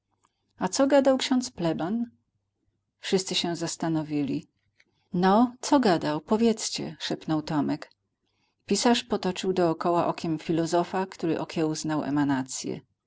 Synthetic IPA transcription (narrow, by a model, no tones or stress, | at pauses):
at̪sɔɡad̪awkɕɔ̃nt̪splɛban | fʂɘst̪sɘɕɛzast̪anɔvʲilʲi | nɔt̪sɔɡad̪awpɔvʲjɛt̪st͡ɕɛ̰ʂɛpnɔwt̪ɔmɛk | pʲisaʂpɔt̪ɔt͡ʂɘwd̪ɔːkɔwaʔɔkʲɛmfʲilɔzɔfakt̪uɾɘʔɔkʲʰɛuznawɛ̰manat̪sʲjɛ̰